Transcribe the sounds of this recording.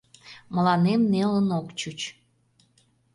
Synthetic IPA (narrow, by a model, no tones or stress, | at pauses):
məlɑnemnelənokt͡ɕut͡ɕ